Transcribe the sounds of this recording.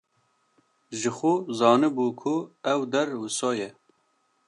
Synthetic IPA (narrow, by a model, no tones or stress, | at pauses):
ʒɨxʊzɑːnɨbuːkʰʊɛwd̪ɛɾwɨsɑːjɛ